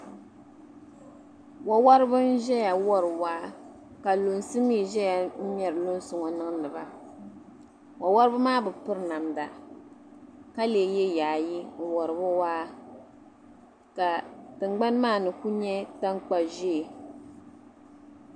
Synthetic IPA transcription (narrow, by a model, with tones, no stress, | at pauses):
wa˨wa˦ɾɨ˦bɨ˦n̩˦ʒɛ˦ja˨wɔ˦ɾɨ˨waː˦ | ka˨lo˨nsɨ˦miː˦˨ʒɛ˦ja˨n̩˦ɲɛ˨ɾɨ˨lo˦n˦sʊ˨ŋɔ˨nɨ˦ŋ˦nɨ˨ba˦ | wʔa˨wa˦ɾɨ˦bɨ˦maː˦bɨ˨pɨ˦ɾna˨mda˨ | ka˦le˨jɛ˦jaː˨ji˦˨wɔ˨ɾɨ˨bʊ˦waː˦ | ka˨tɨ˨ŋ͡mɡ͡ba˦nmaː˦˨nɨ˨ku˦ɲɛ˦ta˦ŋk͡pa˨ʒe˦˨